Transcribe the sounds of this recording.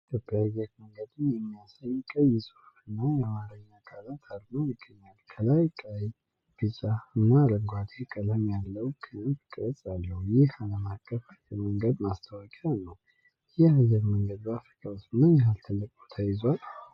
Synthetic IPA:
d̪əbaajɛɾməŋɡəd̪ɨnjɛmːijasajkʼəjɛsʼɨ̥huɨnːajɛmaɾəɲːakʰʼalat̪ʰad̪nowmɨɡəɲːalkʰəlajkʼaj | b̥ɨt͡ʃʼaɨnːaləŋɡʷwat̪ʰekʼələmjalːəwkʰɨnəmt̪ʰɨ̥kʼəɾət͡sʼalːəhujɪhaləmakʼːəfajɛɾməŋɡəd̪mast̪ʰəwakʼianːəw | jɪhajɛɾməŋɡəd̪bafɾikʼʰawst̪ɨnːajɛɦalt̪ʰəlːəkʼo̥t̪ʰajɪzal

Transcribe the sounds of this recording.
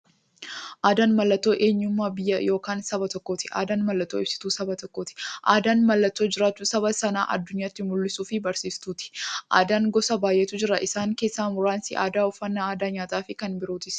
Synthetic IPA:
ʔaːd̪aːnmɐlːɐt̪ːo̞ːʔe̞ːɲːʊmːaːbɪjːɐjo̞ːkaːnsɐbɐt̪ɔkːo̞ːt̪ɪ̥ʔa̰ːd̪aːnmɐlːɐt̪ːoːɪbsɪ̥t̪uːsɐbɐt̪ɔkːo̞ːt̪ɪ̥ʔa̰ːd̪aːnmɐlːɐt̪ːo̞ːd͡ʒɪɾaːt͡ʃːuːsɐbɐsɐna̰ːʔɐ̰d̪ːʊɲːaːt̪ːɪmʊlːɪsuːfɪbɐɾsiːst̪uːt̪ɪ̥ʔa̰ːd̪aːŋɡɔsɐbaːjːɛt̪uːd͡ʒɪɾɐʔɪsaːŋke̞ːsːaːmʊɾaːnsɪ̰ʔa̰ːd̪aːʊfːɐnːaːaːd̪aːɲaːt̪ʼaːfɪkɐnbɪɾoːt̪ɪs

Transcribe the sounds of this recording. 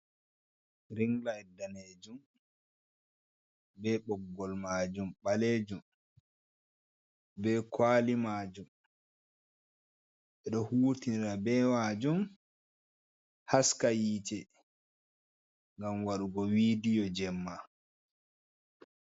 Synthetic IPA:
ɾiŋlaɛdːaneːd͡ʒum | bɛɓɔɡːɔlmaːd͡ʒumɓaleːd͡ʒum | bɛkwaːlimaːd͡ʒum | ʔɛɗɔhuːtiniɾabɛwad͡ʒum | haskajiːt͡ʃɛ | ŋɡamwaɗuɡɔwiːdijɔd͡ʒɛmːa

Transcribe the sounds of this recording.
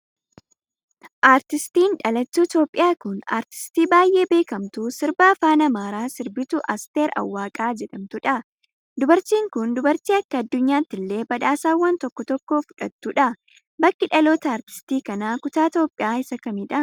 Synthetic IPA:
ʔaːɾt̪ɪst̪iːnᶑɐlɐt̪ːuːɪt̪o̞ːpʼːɪjaːkʊna̰ːɾt̪ɪ̥st̪iːbaːjʔe̞ːbe̞ːkɐmt̪uːsɪɾbaːfaːnɐmaːɾaːsɪɾbɪt̪ʊʔɐst̪e̞ːɾɐ̰wːaːkʼaːd͡ʒɛᶑɐmt̪ʊᶑɐ | d̪ʊbɐɾt͡ʃ̪iːŋkʊnd̪ʊbɐɾt͡ʃ̪iːɐkːɐːd̪ːʊɲːaːt̪ːɪlːe̞ːbɐᶑ̪aːsaːwːɐnt̪ɔkːɔt̪ɔkːo̞ːfʊ̥ᶑɐ̰t̪ːuᶑɐ | bɐkːɪᶑɐloːt̪ɐaːɾt̪ɪ̥st̪iːkɐnaːkʊt̪aːt̪oːpʼːɪjaːɪsɐkɐmɪᶑɐ

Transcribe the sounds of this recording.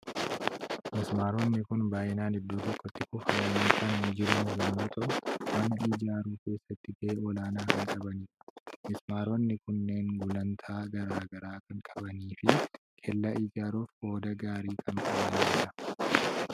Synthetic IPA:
mɪsmaːɾɔnːɪkʊnbaːjɪnaːnɪd̪ːoːt̪ɔkːɔt̪ːɪkʊfɐnɐniːkaːnnɪd͡ʒɪɾjɐnːuːt̪ʼɐʔʊwɐnɐiːd͡ʒaːɾuːke̞ːsːɐt̪ːɪɡɐʔeɔlaːnaːkɐŋkʼɐbɐniːmɪsmaːɾɔnːɪkʊnːe̞ːŋɡʊlɐnt̪ʰaːɡɐɾaːɡɐɾaːkɐŋkʼɐbɐniːfɪ | kʰɛlːɐʔiːd͡ʒaːɾoːfko̞ːd̪ɐɡaːɾiːkʰɐŋkʼɐbɐniːd͡ʒɪᶑɐ

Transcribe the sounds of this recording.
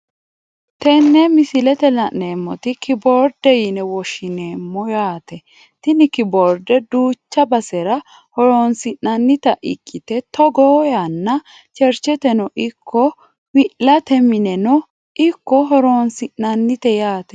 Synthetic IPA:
t̪ɛnːɛmɪsɪlɛt̪ɛlɐʔneːmːɔt̪ɪkɪboːɾd̪ɛjɪnɛwɔʃɪneːmːɔjaːt̪ɛ | t̪ɪnɪkɪboːɾd̪ɛd̪uːt͡ʃːɐbɐsɛɾɐ | hɔɾoːnsɪʔɐnːɪt̪ɐʔɪ̰kʼːɪt̪ɛt̪ɔɡoːjanːɐ | t͡ʃɛɾt͡ʃɛt̪ɛnɔʔɪkʰːɔ | wɪʔlɐt̪ɛmɪnɛnɔ | ɪkːɔɦɔɾoːnsɪʔnɐnːɪt̪ɛjaːt̪ɛ̥

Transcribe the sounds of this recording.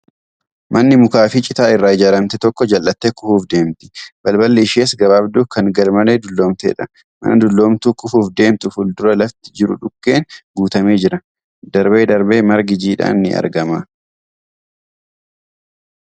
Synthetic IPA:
mʔɐnːɪmʊkaːfɪt͡ʃʼɪt̪aːɪrːaːɪd͡ʒaːɾɐmt̪ɛt̪ɔkːɔd͡ʒɐlːɐt̪ːekʊfuːfd̪e̞ːmt̪ɪ̥bɐlbɐlːeɪʃeːsɡɐβaːbd̪uːkɐŋɡɐlmɐneːd̪ʊlːo̞ːmt̪ḛːᶑɐ̥ | mɐ̰nɐd̪ʊlːo̞ːmt̪uːkʊfuːfd̪e̞ːmt̪ʊfʊld̪ʊɾɐlɐft̪ɪd͡ʒɪɾʊ̰ᶑʊkːe̞ːnɡuːt̪ɐme̞ːd͡ʒɪɾɐ | d̪ɐɾbe̞ːd̪ɐɾbe̞ːmɐɾɡɪd͡ʒiːᶑa̰ːnːɪ̰ʔɐ̰ɾɡɐmɐ

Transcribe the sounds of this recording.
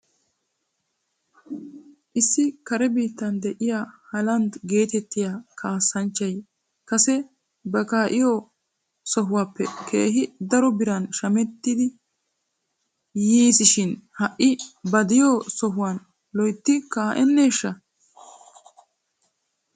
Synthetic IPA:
ʔɪsːɪkɐɾɛbiːt̪ːɐnd̪ɛʔɪjaːhɐlɐnd̪ɡe̞ːt̪ɛt̪ːɪjaːkʰaːsːɐnt͡ʃːɐj | kɐsɛ | bɐkaːʔɪjo | sɔɦʊwaːpːɛkʰḛːɦɪd̪ɐɾɔbɪɾɐnʃɐmɛt̪ːɪd̪ɪ | jiːsɪʃɪnhɐʔːɪbɐd̪ɪjoːsɔɦʊwan | lɔjt̪ːɪkaːʔɛnːeːʃːɐ

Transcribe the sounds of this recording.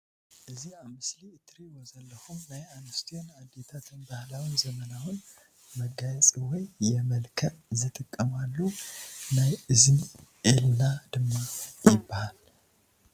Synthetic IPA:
ʔɨziaβmɨsliɨt̪ʰɾiwozɐlːɐxumnajanɐst̪ʰionad̪et̪ʰat̪ʰɨnbahlawizɐmɐnawɨn | mɐɡajɛt͡sʼiwɔjːɛmɐlkʰɐʔzɨt̪ʼɨkʼːɐmalːunajɨzniʔelnad̪ɨmːajɪbːahal

